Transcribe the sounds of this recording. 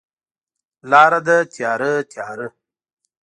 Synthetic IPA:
lɑːɾad̪ət̪jɑɾət̪ʰjɑɾə

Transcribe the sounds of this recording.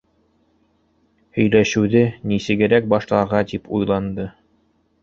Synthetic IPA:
hɵ̆jlæʃɘ̆wðɘnisɘ̆ɡɘ̆ɾæk̚bɑʃlˠɑɾʁɑt̪ipʰujlˠɑnd̪ɤ

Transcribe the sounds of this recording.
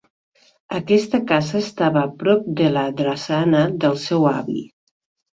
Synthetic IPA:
əkɛst̪əkazəːst̪aβəːpɾɔp̚d̪ələðɾəsanəðəlˠsɛwa̰βḭ

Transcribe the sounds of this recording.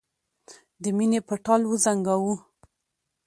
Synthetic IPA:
d̪əminepəʈɑlwəzaŋɡawu

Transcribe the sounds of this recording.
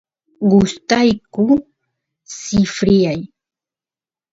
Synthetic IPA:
ɢʊst̪ajkʊ | sɪfɾɪjaj

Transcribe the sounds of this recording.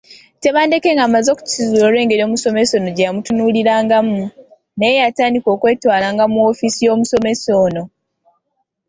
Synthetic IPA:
te̞βaːnde̞ke̞ŋɡamazoku̥cizuɾo̞ːɾwe̞ːŋɡe̞ɾio̞ːmuso̞me̞so̞no̞ɟejamutunuːliɾaːŋɡamu | nejejataːndiko̞ːkwe̞ːtwaːlaːŋɡamuo̞fisijo̞ːmuso̞me̞so̞ːno̞

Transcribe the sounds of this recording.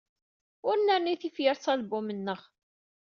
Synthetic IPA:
ʊɾənːæɾniθifjəɾˤsˤɑlbumənːəʁ

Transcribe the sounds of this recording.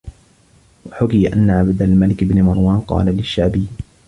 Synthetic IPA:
waħʊkɪjaʔa̰nːaʕabd̪almalɪkɪbnɪmɑɾˤwɑːnqɑ̰ːlalɪʃːaʕbɪjː

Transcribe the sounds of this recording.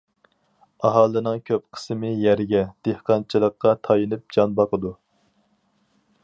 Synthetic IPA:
ɑɦɑːlˠɨnɨŋkʲʰøpqʰə̥smɨjæɾɡʲɛd̪̥ehqɑnt͡ʃʰilˠəqːɑt̪ʰɑjɨnɨp̚d͡ʒɑnbɑqəd̪u

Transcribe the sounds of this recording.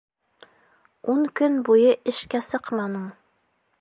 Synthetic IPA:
uɴkɵnbujɤʔɘ̆ʃkæsɤqmɑnɤɴ

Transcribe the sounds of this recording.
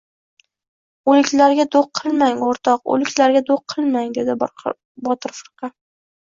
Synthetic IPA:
olɪkʲlaɾɡʲad̪oqʰːɨlˠmaŋoɾt̪ʰɒqo̰lɪkʲlaɾɡʲad̪oqʰːɨlˠmaŋd̪e̞d̪ɪ | bɒt̪ʰɨɾfɨɾqʰɑ

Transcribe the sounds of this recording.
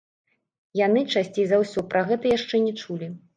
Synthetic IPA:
janɨt͡ʂasʲt͡sʲejzawsʲɔpɾʔɐɣɛt̪ɐjaʂt͡ʂɛnʲɛt͡ʂulʲi

